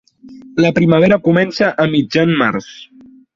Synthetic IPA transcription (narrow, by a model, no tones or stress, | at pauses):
ləpɾiməβ̞eɾəkumɛnsəʔəmid͡ʒanmaɾs